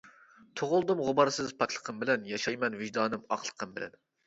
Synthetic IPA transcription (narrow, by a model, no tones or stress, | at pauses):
t̪ʰoʁʊlˠd̪ɨmʁʊbɑɾsɨzpʰɑt̪ʲʰlˠə̥qʰəmbɪlɛnjɑʃɑjmɛnvɪʒd̪ɑːnɨmɑ̰qlˠə̥qʰəmbɪ̰lɛ̰n